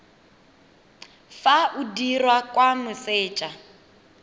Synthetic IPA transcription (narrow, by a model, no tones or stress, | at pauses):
faʔudirwakʼwamʊsɪːt͡ʃʼa